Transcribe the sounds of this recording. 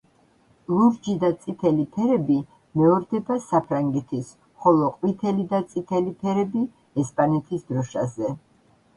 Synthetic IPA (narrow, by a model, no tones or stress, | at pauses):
lˠuɾd͡ʒid̪at̪sʼit̪ʰɛlipʰɛɾɛbi | mɛɔɾd̪ɛbasapʰɾaŋɡɛt̪ʰis | χɔlˠɔqʼwit̪ʰɛlid̪at̪sʼit̪ʰɛlipʰɛɾɛbi | ɛspʼanɛt̪ʰisd̪ɾɔʃa̰zɛ